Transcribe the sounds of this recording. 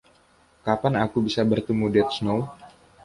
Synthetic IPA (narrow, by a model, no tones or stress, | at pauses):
kapanakubisabərt̪umudiɛt̪snow